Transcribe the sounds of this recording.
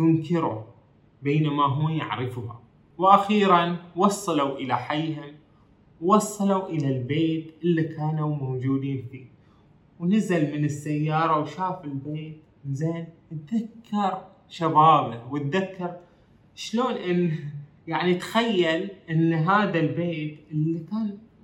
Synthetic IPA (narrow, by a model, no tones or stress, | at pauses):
jʊŋkɪɾu | beːnamaɦʊːja̰ʕɾɪfʊha̰ | wʔaxiːɾanwɑsˤːɑluʔɪlaħajːhʊm | wwɑsˤːɑluʔɪlalbeːt̪ʔɪlːikaːnumowd͡ʒuːd̪iːnfiː | wnazalmɪnɪsːajːɑːɾˤɑwʃaːfɪlbeːt̪ | nzeːnt̪̚ðakːɑɾˤ | ʃabaːbawɪt̪̚ðakːɑɾ | ʃloːnʔɪnː | jaʕnit̪xajːalʔɪnːɦaːðalbeːt̪ʔɪlːikaːn